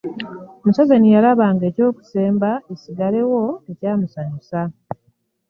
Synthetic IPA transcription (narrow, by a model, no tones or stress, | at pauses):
musazanijalaβaŋɡe̞ːco̞ːku̥se̞ːmbaesiɡale̞wo̞e̞caːmusaɲusa